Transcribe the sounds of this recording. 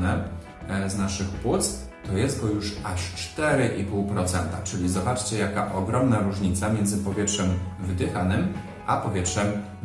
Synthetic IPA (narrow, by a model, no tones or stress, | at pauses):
nɛ | znaʂɘxpwut̪st̪ɔjɛzɡɔjuʂaʂt͡ʂt̪ɛɾɘʔipuwpɾɔt̪sɛnt̪a̰t͡ʂɘlʲizɔbat͡ʂt͡ɕɛjakaʔɔɡɾɔmnaɾuʐɲit̪samʲjɛnd̪zɘpɔvʲjɛtʂɛmvɘd̪ɘxanɘm | ʔapɔvʲjɛtʂɛm